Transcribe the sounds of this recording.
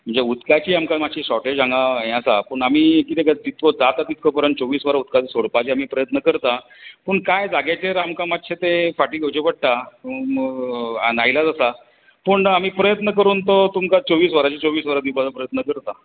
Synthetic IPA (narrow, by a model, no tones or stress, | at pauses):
m̤əɳd͡zeut̪kat͡ɕiamkamad̪ɕiɕɔʈed͡ʑãŋɡaɦẽasapəɳamiːkit̪ekat̪it̪kod͡zat̪at̪it̪̚kopəɾəɳʈt͡soʋiːsʋəɾaut̪̚kat̪isoɽpat͡ɕiamiːpɾəjət̪nəkəɾt̪a | pəɳkajd͡zaɡjat͡ɕeɾamkamat̪ːɕʰet̪efaʈiːɡʱowt͡ɕepəɽ̚t̪a | nailad͡zəsa | pəɳamiːpɾəjət̪nəkəɾuːnt̪ot̪umkat͡soʋiːsʋəɾat͡ɕit͡soʋiːsʋəɾad̪ipad͡zapɾəjət̪nəkəɾt̪a